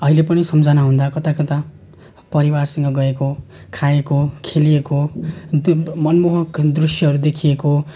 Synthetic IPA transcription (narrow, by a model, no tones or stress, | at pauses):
ʌɦilepʌnisʌmd͡zanaɦũnd̪akʌt̪akʌt̪a | pʌɾiwarsʌ̃ŋɡʌɡʌeko | kʰaekokʰelijeko | mʌnmoɦʌkd̪rusjʌɦʌɾud̪ekʰijeko